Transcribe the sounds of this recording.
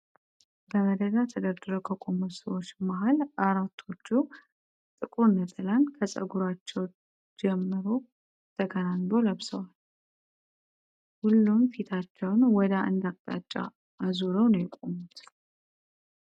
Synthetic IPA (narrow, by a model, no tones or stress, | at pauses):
bəməd̪əd̪at̪ʰəɡəɾd̪ɨɾəkʰəkʷʼomusəwot͡ʃːmaɦalʔaɾat̪ʰo̞t͡ʃːu | t̪ʼɨkʼunːət̪ʰɨlankʰəsʼə̰ɡuɾat͡ʃːɛw | d͡ʒɛmːɨɾo | t̪ʰəɡənanb̪o̞ləβsəwal | hulːumfit̪ʰat͡ʃːɛwnwɔd̪aʔɨ̰nd̪akʼt̪ʼa̰t͡ʃʼːa̰ | azuɾəwnəjɪkʼomut̪